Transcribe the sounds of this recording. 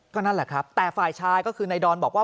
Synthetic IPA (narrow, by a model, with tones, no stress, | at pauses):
kɔː˥˩na˥˩lɛ˨˩kʰɾa˦˥p̚t̪ɛː˨˩faː˨˩jt͡ɕʰaː˧jkɔː˥˩kʰɯː˧na˧jdɔː˧nbɔː˨˩k̚waː˥˩